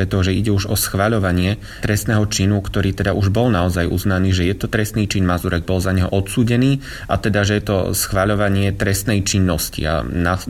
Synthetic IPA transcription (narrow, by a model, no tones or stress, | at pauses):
ɛt̪ɔʒɛiɟɛuʒɔsxʋaʎɔʋaɲɪɛ | t̪ɾɛst̪nɛːɦɔt͡ʃinukt̪ɔɾiːt̪ɛd̪aʔuʒbɔlnaɔzajʔṵznaniːʒɛjɛt̪ɔt̪ɾɛst̪niːt͡ʃinmazuɾɛɡ̚bɔlzaɲɛɦɔʔɔt̪suːɟɛniː | at̪ɛd̪aʒɛjɛt̪ɔ̰sxʋaʎɔʋaɲɪɛt̪ɾɛst̪nɛjt͡ʃinːɔscḭa̰na